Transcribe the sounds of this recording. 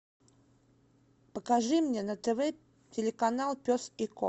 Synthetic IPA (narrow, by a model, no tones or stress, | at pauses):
pəkɐʐɨmnʲenət̪ɛvɛ | tʲɪlʲɪkɐnalˠpʲosɪko